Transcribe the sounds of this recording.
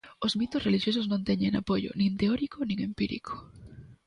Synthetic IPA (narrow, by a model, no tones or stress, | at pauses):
oszmit̪osreliʃjos̬ʊznõnt̪ɛɲeŋa̰poʝo̰nĩnt̪eɔɾikonĩŋempiɾḭkʰo̥